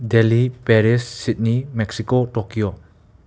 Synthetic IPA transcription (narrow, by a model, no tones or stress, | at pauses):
delipɛɾisːit̚nimɛk̚sikotɔkio